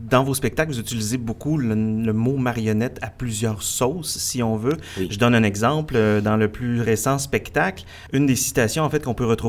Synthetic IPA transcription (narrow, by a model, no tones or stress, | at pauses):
d̪ɑ̃vospɛk̚t̪aklvuzyt͡silizebokulləmomaʁjɔnɛt̪aplyzjœːʁsɔːsːiɔ̃vøʒəd̪ɔnɛ̃nɛɡzɑ̃pld̪ɑ̃ləplyʁesɑ̃spɛkt̪akl | ynd̪esi̥t̪asjɔ̃ɑ̃fɛt̪̚kɔ̃pøʁət̪χʁu